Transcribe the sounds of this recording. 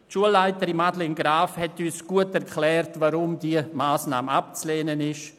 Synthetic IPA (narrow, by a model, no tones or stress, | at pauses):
ʃuəlːaɪtəɾimadlenɡɾaːfhɛtysɡ̥uətɛɾkʰlɛːɾtvaɾʊmdiəmaːsna̰ːmap̚t͡sleːnənɪʃ